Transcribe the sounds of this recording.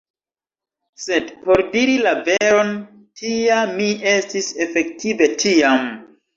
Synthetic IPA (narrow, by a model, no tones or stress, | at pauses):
se̞dpo̞ɾdiɾilaveɾo̞n | tʰiamie̞stise̞fe̞k̚tʰive̞tʰiam